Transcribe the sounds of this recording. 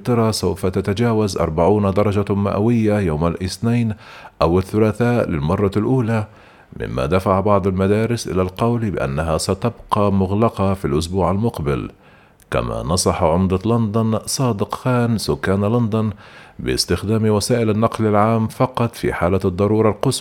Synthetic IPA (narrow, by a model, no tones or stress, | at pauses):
t̪ɑɾˤɑsawfat̪at̪ad͡ʒaːwazʔɑ̰ɾˤbaʕuːnd̪ɑɾˤɑd͡ʒama̰ʔwɪjːajawmalʔɪθnajnʔawɪθːʊlaθaːʔlɪlmɑrˤːɑlʔuːla | mɪ̰mːa̰d̪afaʕbɑʕd̪ˤalmad̪aːɾɪsʔɪ̰lalqɑwlbɪʔa̰nːaɦasat̪abqɑːmʊɣlɑqɑfilʔʊs̬buːʕalmʊqbɪl | ka̰ma̰nɑsˤɑħʕʊmd̪alɑnd̪ʊnsˤɑːd̪ɪqxaːnsʊkːaːnlɑnd̪ʊnbɪ̰st̪ɪxd̪aːmwasaːʔɪlanːɑqlalʕaːmfɑqɑt̪ˤfḭħaːlad̪ˤːɑɾˤuːɾˤɑlqʊs